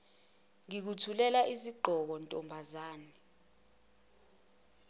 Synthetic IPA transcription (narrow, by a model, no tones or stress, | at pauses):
ŋik̬utʰulɛlaʔiziɡ͡ǃʱɔk̬ɔntʼɔmbʱazaːni